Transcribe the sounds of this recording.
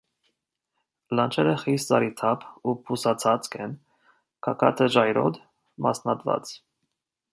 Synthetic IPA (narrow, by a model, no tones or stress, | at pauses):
lɑnt͡ʃʰɛɾəχist͡sɑɾit̪ʰɑpʰupʰusɑt͡sʰɑt͡skʰɛn | kʰɑkʰɑt̪ʰəd͡ʒɑjɾɔ̰d̪ | mɑ̰snɑd̪vɑ̰t͡s